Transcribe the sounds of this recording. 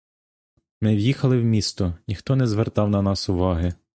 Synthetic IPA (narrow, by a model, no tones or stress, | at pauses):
mɪwjixɐlˠɪwmʲist̪ɔnʲixt̪ɔnɛzʋert̪ɑwnɐnɑsʊʋɑɦɪ